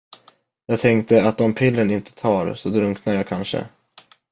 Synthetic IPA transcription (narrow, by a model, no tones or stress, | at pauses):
jɑːɡ̚t̪ʰɛŋkt̪əat̪̚d̪ɔmpʰɪlːənɪnt̪ə̥t̪ʰɑːɾsɔd̪ɾɵŋknajaːkʰanʂə̰